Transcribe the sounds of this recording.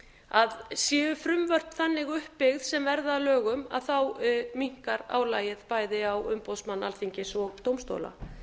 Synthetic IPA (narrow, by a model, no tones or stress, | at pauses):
aðsjɛːʏfɾʏmvœr̥t̪θanːɪɣʏhpːɪɣð̥sɛmvɛɾðaːlœːɣʏma̰ðθawmiŋ̥kaɾa̰ːwlaːjɪð̥paːjðɪawʏmpowsmanːa̰lθiɲcɪsɔɣt̪owmst̪o̰wla̰